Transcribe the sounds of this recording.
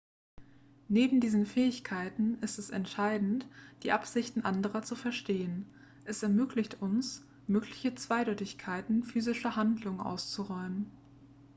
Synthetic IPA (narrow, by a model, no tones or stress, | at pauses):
neːbm̩diːzn̩fɛːɪçkʰaɪtn̩ɪstɛsɛntʃaɪdn̩td̥iːʔapz̥ɪçtn̩ʔandəʁɐt͡sufɛɐʃteːən | ʔɛsɛɐmøːklɪçtʰʊns | møːklɪçət͡sv̥aɪdɔʏtɪçkʰaɪtn̩fyːzɪʃɐhandlʊŋənʔa̰ʊst͡suʁɔʏmən